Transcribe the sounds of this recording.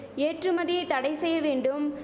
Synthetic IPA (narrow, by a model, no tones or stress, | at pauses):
eːʈrɯmɐðɪjɐɪt̪ːɐɽɐɪsɛjːɐʋeːɳɖɯm